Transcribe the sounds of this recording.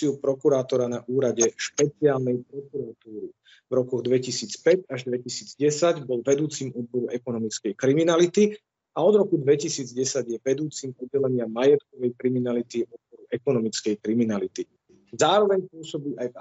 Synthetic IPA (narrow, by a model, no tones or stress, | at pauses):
iupɾɔkuɾaːt̪ɔɾanaʔuːɾaɟɛʃpɛt͡siaːlnɛjpɾɔkuɾat̪uːɾi | vɾɔkɔɣd̪ʋɛcisiːt͡spɛɟaʒd̪ʋɛcisiːd͡zɟɛsaɟbɔlʋɛd̪uːt͡simɔd̪̚bɔɾuʔɛkɔnɔmit͡skɛjkɾiminalit̪i | aɔd̪ɾɔkud̪ʋɛcisiːd͡zɟɛsaɟjɛʋɛd̪uːt͡simɔdːɛlɛɲɪamːajɛt̪kɔʋɛjkɾiminalit̪iɔd̪̚bɔɾuʔɛkɔnɔmit͡skɛjkɾiminalit̪i | zaːɾɔʋɛɲpʊɔsɔbiːʔajv